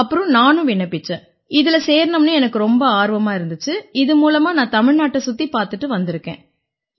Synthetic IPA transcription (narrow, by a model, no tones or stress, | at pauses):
ɐpːɯɾʊ̃naːnʊ̃ʋɪɳːɐpːɪt͡ʃːɛ̃ | ɪðɪlɐseːɾnɐmnɯɛnɐkːɯɾɔmbɐaːɾʋɐmaːɪɾɯnd̪ɯt͡ʃːɯɪðɯmuːlɐmaːnãːt̪ɐmɪɻnaːʈːɐsʊt̪ːipaːɾt̪ɯʈːɯʋɐnd̪ɪɾɯkːḛ̃ː